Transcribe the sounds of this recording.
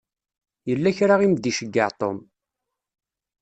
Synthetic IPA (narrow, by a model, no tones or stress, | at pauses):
jəlːæçɾaʁimd̪iʃəɡːəʕt̪ˤo̰m